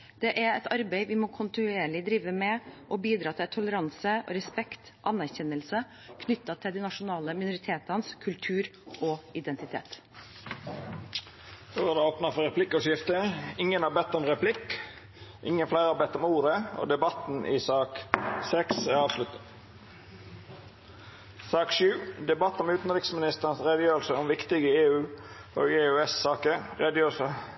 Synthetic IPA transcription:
d̪̥ɛʔæɛt̪ɑɾbeɪʋɪmoːkʰʊnt̪ɪnʉeːɭɪd̪ɾiːʋəmɛʔɔbiːd̪ɾɑːt̪ʰɪlt̪ʰʊləɾɑnsəɔ̰ɾɛspɛkt̪ | ʔɑnːæɾçɛnːəlsə | kʰnʏt̪ːɑt̪ʰɪld̪ɪnɑʂʊnɑːləmɪnʊɾɪt̪ʰeːt̪ɑnskʰʉlt̪ʰʉːɾʔɔɪd̪ɛnt̪ɪt̪ʰḛːt̪ | d̪̥oːæd̪ɛoːpnɑfɔɾɛpʰlɪkːɔʂɪft̪əɪŋənhɑːbɛt̪ːɔmʁɛpʰlɪk | ʔɪŋənflæɪɾəhɑːbɛt̪ːɔmuːɾəo̰ːd̪ɛbɑt̪n̩ʔɪ̰sɑːksɛksæɾɑːʋslʉt̪ə | sɑːkʃʉːd̪ɛbɑt̪ːɔmʉːt̪n̩ɾɪksmɪnɪst̪əʁnsʁɛd̪əjøːɾəlsəɔmʋɪkt̪ɪɡəeːʉː | o̰ːɡeːʉɛsːɑːkəʁɛd̪jøːsə

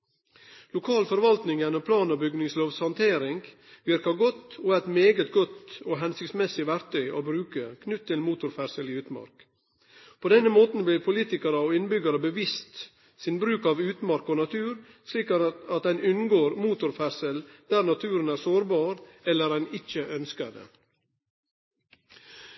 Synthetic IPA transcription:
lʊkʰɑːlfɔɾʋɑlt̪nɪŋjɛnɔpʰlɑːnɔbʏɡnɪŋsloːʋshɑnt̪ʰeːɾɪŋɡ | ʋɪɾkɑɡɔt̪ːoːɛt̪meːɡət̪ɡɔt̪oːɦɛnsʏktsmɛsɪʋæɾkt̪ʰœʏʔo̰ːbɾʉːkəkʰnʉt̪ʰːɪlmuːt̪ʊɾfæɾsəliʉːt̪mɑ̰ɾk | pʰoːd̪ɛnəmoːt̪n̩bliːɾpʰʊliːt̪ɪkəɾəoːɪnbʏɡɑɾəbəʋɪst̪ | sɪnbɾʉːkɑʋʉːt̪mɑɾkoːnɑt̪ʰʉːɾ | sliːkɑt̪ɛɪnʏnɡoːɾmuːt̪ʊɾfæsəld̪̥æːɾnɑt̪ʰʉːɾənæːɾsoːɾbɑːɾɛlːəɾæɪnɪçəʔœnskəd̪ə̰

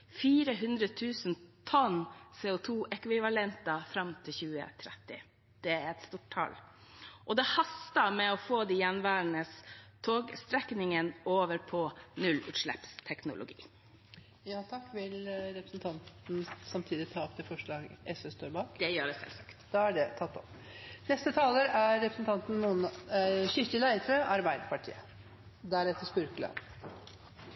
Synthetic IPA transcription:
fiːɾəɦʉnd̪ɾət̪ʰʉːsənt̪ʰɔnsɛːʊt̪ʰuːʔɛkʋɪʋɑlɛnt̪ɑfɾɑmt̪ʰɪlçʉːə̰t̪ʰɾɛt̪ːɪ̰ | d̪̥ɛæɾɛt̪st̪uːʈʰɑ̰lʔɔd̪ɛhɑst̪ɑmɛɔfoːd̪ijɛnʋæːɾənəst̪ʰoːɡst̪ɾɛknɪŋənoːʋəɾpʰɔnʉlʉ̰ːt̪ʂɭɛ̰pst̪ʰɛknʊ̰lʊ̰ɡḭː | jɑːt̪ʰɑkːʋɪlɾɛpɾəsnt̪ʰɑnt̪n̩sɑmt̪ʰiːd̪ɪt̪ʰɑːɔpt̪ʰɪfɔʂɭɑːɡɛsøst̪oːɾbɑːk̪ɛjøːɖɛsɛ̰lsɑkt̪d̪ɑːæɖɛt̪ʰɑt̪ːɔp | nɛst̪ət̪ʰɑːləɾæɾːɛpɾəsnt̪ʰɑnt̪n̩nuːənɕɪt̪əlæɪd̪əɾəʔɑɾbæɪd̪əpʰɑʈʰḭːə | d̪æɾɛt̪ːəspʉɾklɑ̰n

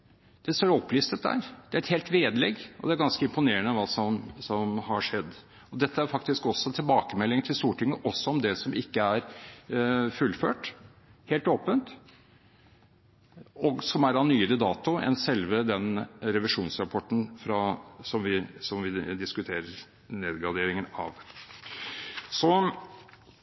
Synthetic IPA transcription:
d̪̥ɛsoːɾɔpːliːst̪ət̪̚d̪æ̰ːɾd̪̥ɛæɾɛt̪heːlt̪ʋeːd̪əlɛɡʔɔ̰d̪ɛæɾɡɑnskəɪmpʊneːəɳəʋɑːsɔmsɔmhɑɾʂɛd̪ː | ɔd̪ɛt̪ːəæɾfɑk̚t̪ɪskɔsːɔt̪ʰɪlbɑːkəmɛlːɪŋt̪ʰɪlst̪uːʈɪŋːəʔɔsːɔɔmd̪ɛsɔmɪkːəæɾ | fʉlːføːʈ | heːlt̪oːpənt̪ | ɔɡsɔmæɾɑnːyːəɾəd̪ɑːt̪ʊɛ̰nsɛlʋəd̪ɛnɾɛʋɪʂuːnsɾɑpʰɔʈn̩fɾɑsɔmʋɪsɔmʋɪd̪ɪskʉt̪ʰeːɾəɾ | neːd̪ɡɑd̪eːɾɪŋənɑ̰ʋ | sɔ

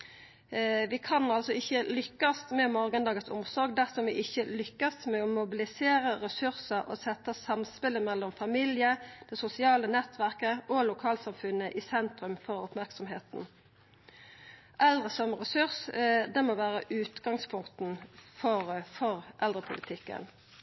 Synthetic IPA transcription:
ʋɪkʰɑnɑlsɔɪçːəlʏkːɑst̪mɛmɔɾɡənd̪ɑːɡəsʊ̰msɔɾɡd̪æʁsɔmʋɪʔɪçːəlʏkːɑsmɛɔmʊbɪlɪseːɾəʁɛsʉʁsəʔɔ̰sɛt̪ːəsɑmspɪləmɛlːɔmfɑmɪljəd̪̥ɛsʊsɪɑːlənɛt̪ʋæʁkəɔlʊkʰɑːlsɑmfʉnːəʔɪsɛnt̪ɾʉmfɔʁʊpmæʁksɔmɦeːt̪n | ʔʔɛld̪ʁəsɔmʁɛsʉʁsd̪ɛmoːʋæːʁəʔʉːt̪ɡɑŋspʰʊŋkt̪n̩fɔʁfɔʁʔɛld̪ʁəpʰʊlɪt̪ʰɪkːə̰n

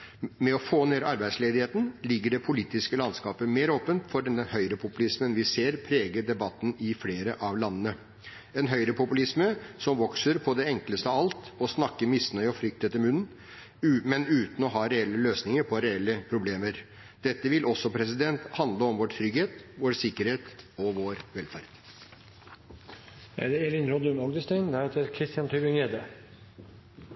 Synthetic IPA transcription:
mɛɔfoːneːɾɑɾbæɪsleːd̪ɪheːt̪n̩lɪɡːəɖɛpʰʊliːt̪ɪskəlɑnskɑːpəmeːɾoːpənt̪fɔɖd̪ɛnhœʏɾəpʰʊpʉlɪsmənʋɪseːɾpʰɾeːɡəɖɛbɑt̪ːn̩ɪfleːɾəʔɑʋlɑnːənə | ɛnɦœʏɾəpʰʊpʉlɪsməsɔmʋɔksəɾpʰɔd̪ɛɛŋkləst̪əɑɑlt̪ɔsnɑkːəmɪsnœʏɔfɾʏk̚t̪ʰɛt̪ːəɾmʉnːn̩ | mɛnʉːt̪n̩ɔɦɑːɾɛɛlːəløːsnɪŋəɾpʰɔɾɛɛlːəpʰɾʊbleːməɾ | d̪̥ɛt̪ːəʋɪlʔɔsːɔpʰɾɛs̬ɪd̪ɛnt̪hɑnd̪ləɔmʋɔʈʈʰɾʏɡheːt̪ʋoːɾsɪkːəɾheːt̪ɔʋoːɾʋɛlfæɾd̪̥ | æ̰d̪ɛɛlɪnɾod̪ənɔɡd̪əst̪æɪnd̪æɾheːt̪əɾkʰɾɪst̪ɪjɑnt̪ʰybɪŋeːd̪ə

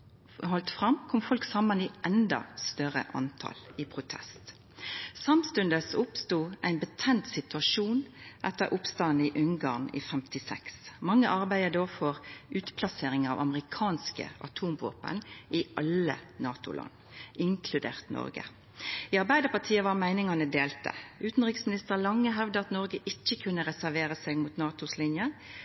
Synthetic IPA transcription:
hɔlt̪fʁɑmkʰɔmfɔlksɑmːəniʔɛnd̪ɑ̰st̪œʁə̰ʔɑ̰nt̪ʰɑ̰ːlɪpʰʁʊt̪ʰɛ̰st̪ | sɑmst̪ʉnd̪əsʊpst̪uːʔæɪnbət̪ʰɛnt̪sɪt̪ʉɑʃuːnʔɛt̪ːəɾʔʊpst̪ɑnɪʔʉŋɡɑʁnḭfɛmt̪ɪsɛksmɑŋːəʔɑʁbæɪəd̪oːfɔʁʉːt̪pʰlɑseːɾɪŋɑ̰ʋɑ̰məʁɪkʰɑːnskə̰ɑ̰t̪ʰuːmʋo̰ːpə̰nʔɪʔɑlənɑːt̪ʊ̰lɑ̰n | ʔɪŋkʰlʉd̪ḛːʁt̪nɔ̰ʁɡə̰ | iːɑʁbæɪd̪əpʰɑt̪ʰiːəʋɑʁmæɪnɪŋɑnəd̪eːlt̪ə̰ʉːt̪n̩ʁɪksmɪnɪst̪əʁlɑŋːəɦɛʋd̪əɑt̪nɔʁɡəʔɪc͡çːəkʰʉnːəʁɛsæɾʋeːʁəsɛːɡmut̪nɑːt̪ʊslɪnjə

